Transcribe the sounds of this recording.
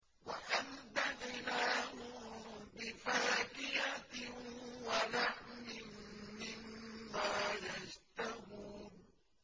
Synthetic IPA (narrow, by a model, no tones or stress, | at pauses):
waʔand̪aɣɪlaːhʊbɪfaːkɪjatɪwalaʕmɪnmɪmːaːjad͡ʒt̪ahuːn